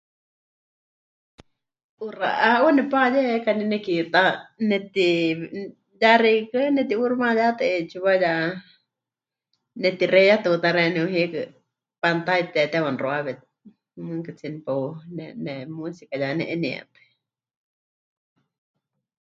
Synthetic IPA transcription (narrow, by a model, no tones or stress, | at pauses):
ʔura̰ʔaonɛpajɛkaninɛkit̪anɛt̪i | jaɾikɨnɛt̪iurmãjat̪ɛet͡ʃuβaja | nɛt̪irɛjat̪ut̪aɾɛnɛuɦikɨ | pant̪ait̪ɛt̪awanroaβɛt̪̚ | mɨŋkɨt͡sinpanɛnɛmusikajanɛʔɛniɛ̰t̪ɨ̥